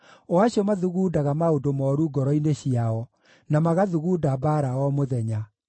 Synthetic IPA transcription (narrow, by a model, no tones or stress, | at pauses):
ɔaɕiɔmaðuɣuːdaɣamaodomɔːɾuɡɔɾɔineɕiaɔ | namaɣaðuɣuːdabaɾawɔmoðɛɲa